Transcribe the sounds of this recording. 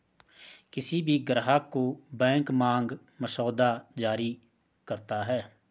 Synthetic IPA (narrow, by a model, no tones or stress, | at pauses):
kɪsibʱiɡəɾɦakobɛ̃ːŋkmãːŋɡ | məʃɔːd̪ad͡ʒaːɾi | kəɾt̪aɦɛː